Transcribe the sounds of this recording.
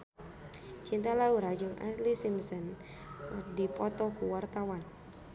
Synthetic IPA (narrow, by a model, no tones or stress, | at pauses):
t͡ʃint̪alauɾad͡ʒʊŋʔa̰slisimsən | dipɔt̪ɔkuwart̪awan